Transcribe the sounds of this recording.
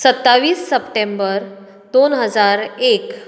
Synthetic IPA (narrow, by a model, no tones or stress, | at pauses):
sət̪ːaʋiːsːəpʈembəɾ | d̪onɦəd͡zaɾek